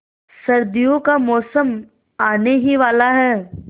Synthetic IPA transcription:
sɐɾd̪ijõkamɔːsəm | aːneɦiʋaːlaɦɛː

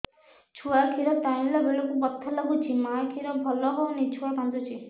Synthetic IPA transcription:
t͡ʃʰuakʰiɾɔt̪aĩlɔbeɭɔkubɔt̪ʰːɔlaɡut͡ʃʰimakʰiɾɔbʱɔlɔɦɔnit͡ʃʰuapãnd̪ut͡ʃʰi

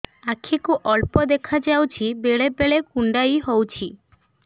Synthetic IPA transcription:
akʰikuʔɔlpɔd̪ekʰad͡ʒawt͡ʃʰibeɭebeɭekuɳɖajɦowt͡ʃʰi

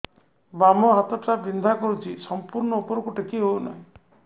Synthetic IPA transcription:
bamɔɦat̪ɔpʈabind̪ʱakɔɾut͡ʃʰisɔmpuɾɳɔupɔɾɔkuʈʰekiɦowna̰ɦĩ

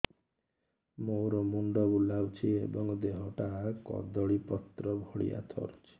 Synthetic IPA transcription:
moɾɔmuɳɖɔulawt͡ʃʰiḛbɔŋd̪eɦɔʈakɔ̰d̪ɔɭipɔt̪ɾɔbʱɔɽḭja̰t̪ʰɔ̰ɾt͡ʃʰi̥

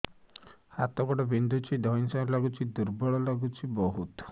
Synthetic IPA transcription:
hat̪ɔɡɔɽɔbind̪ʱut͡ʃʰid̪ʱɔinsɔ̃laɡut͡ʃʰid̪uɾbɔɭɔlaɡut͡ʃʰibɔɦut̪ɔ̥

